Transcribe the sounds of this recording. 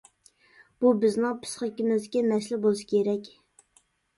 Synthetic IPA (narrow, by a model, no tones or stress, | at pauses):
b̥ubɪznɪŋpʰɨ̥sχəkʲimɪzkʲɛmɛslɪbolˠɨʃi̥kʲeɾɛkʲ